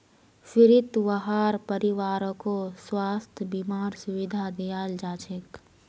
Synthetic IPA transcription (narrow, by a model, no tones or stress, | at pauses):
fɪɾɪt̪wɐɦaːɾpəɾɪwaːɾõkoswaːst̪ʰbimaːɾsʊwɪd̪ʱad̪ijaːld͡ʒaːt͡ʃʰek